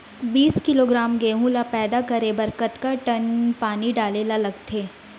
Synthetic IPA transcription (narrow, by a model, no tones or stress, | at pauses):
biːskɪloɡɾaːmɡeːɦũlapɛːd̪akɐɾebɐɾkət̪kaʈɐnpaːniɖaːlelalɐɡt̪ʰeː